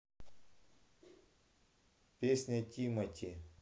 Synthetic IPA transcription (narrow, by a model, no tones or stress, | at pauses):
pʲesʲnʲatʲimɐtʲi